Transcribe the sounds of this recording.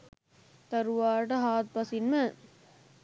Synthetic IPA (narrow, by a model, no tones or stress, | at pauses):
t̪ɐɾʋaːʈɐɦaːt̪̚pɐsinmɐ